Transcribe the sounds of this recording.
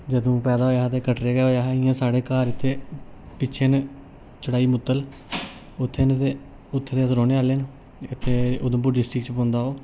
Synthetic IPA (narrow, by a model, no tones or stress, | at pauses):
d͡ʒəd̪õːpɛːd̪aːɦoːaːɦaːt̪eːkəʈɾeːɡːɦoːjaːɦɛɪjãːsaːɽeːkaːɾɪt̪ʰːeː | pɪt͡ʃʰeːn | t͡ʃəɽaːiːmʊt̪ːəl | ʊt̪ʰːeːnt̪eː | ʊt̪ʰːeːt̪eːsɾoːneːaːleːn | ɪt̪ʰːeːʊd̪ə̃mp̬uɾɖɪsʈɾɪkt͡ʃpõːnd̪aːɦoː